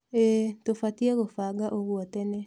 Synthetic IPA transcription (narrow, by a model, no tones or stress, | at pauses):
etofatieɣofaɡaʔoɣwotene